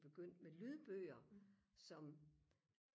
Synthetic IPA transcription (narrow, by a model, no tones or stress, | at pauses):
b̥e̝ɡ̥øn̰d̥melyð̞ˠb̥øːɐsɒ̽m